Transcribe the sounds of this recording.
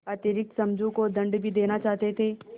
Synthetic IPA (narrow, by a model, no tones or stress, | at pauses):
aːt̪ɪɾɪk̚t̪sɐ̃md͡ʒũkod̪ɐ̃ɳɖbʱid̪eːnat͡ʃaːɦt̪et̪ʰeː